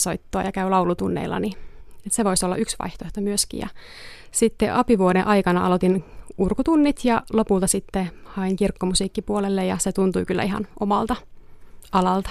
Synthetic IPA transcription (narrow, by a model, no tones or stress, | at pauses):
soit̪ːoɑ̰jɑkæylɑuwlut̪unːḛilːɑ̰niseʋo̞isolːɑ̰ʔyksʋɑ̰iht̪oht̪ɑmyøskḭjɑ̰ | sit̪ːeʔɑpiʋuoɾeʔɑikɑnɑʔɑ̰lot̪inurkut̪unːit̪jɑlopult̪ɑsit̪ːehɑiŋkirkːomusiːkːipuolelːejɑset̪unt̪ujkylːæ̰iɦɑ̰nʔomɑlt̪ɑ | ɑlɑlt̪ɑ̥